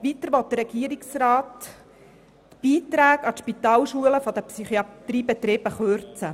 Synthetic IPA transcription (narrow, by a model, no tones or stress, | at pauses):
ʋit̪əɾʋɔt̪̚d̥̪əɾɛɡ̥iəɾɪksɾɑːt | b̥iːt̪ɾæːɡɑtʃpit̪ɑːlʃuələfɔd̪əpsyχiɑt̪riːbɛt̪ɾɪːb̥əχøɾt͡sə